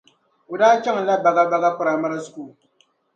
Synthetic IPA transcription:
ʊ˨daː˦t͡ʃa˦ŋ˨la˦ba˨ɡa˦ba˦˨ɡa˦k͡pa˨ɾa˨ma˦ɾa˦sʊ˨ku˨

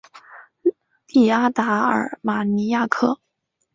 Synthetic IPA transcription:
li˨˩a˥t̪a˧˥ə̰˞˨˩ma˨˩ni˧˥ja˥˩kʰɤ˥˩

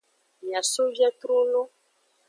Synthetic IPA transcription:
mĩ˨ã˨so˦vɛ˦t̪ɾu˦nõ˦

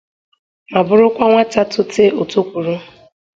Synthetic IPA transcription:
ma˨bʊ˨ɾʊ˦kʷa˦ŋʷa˦ta˦tʊ˦te˦o˨to˦kʷu˨ɾu˦

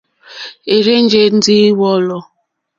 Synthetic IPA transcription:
e˨ɾe˦n̩˦d͡ʒe˦n̩˦di˦wɔ˦lɔ˦

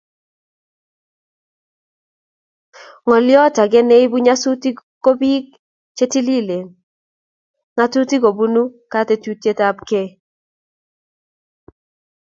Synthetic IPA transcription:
ŋɔ˨ljɔ˦ta˨ɡɛ˦ne˦i˦bu˦ɲa˦su˦ti˦ko˦bi˦k | t͡ʃe˦ti˦li˦le˨n | ŋa˦tu˦ti˦ko˨bu˦nu˦ka˦te˨tu˦te˦ta˦bke˦

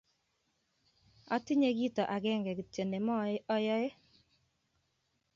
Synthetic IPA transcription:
ɔ̰˦tɪ˦ɲe˦ɡi˦tɔ˨ʔa˨ɡɛ˦ŋɡɛ˨ɡɪ˨te˨ne˨mɔ˦ɔ˦jɔ˦e˦

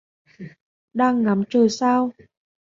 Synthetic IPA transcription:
ɗaː˧ŋːa˨˦mt͡ɕəː˨˩saː˧w

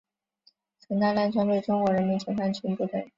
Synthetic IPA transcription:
t͡sʰə˧˥na˥˧la˥˩nʈ͡ʂʰa˥ntwe˥˩ɪʈ͡ʂʊ˥ŋkwɔ˧˥ɻə˧˥nmi˧˥nt͡ɕʰə˧˥xa˥˩nt͡ɕʰy˧˥npu˥˩t̪ə˨˩

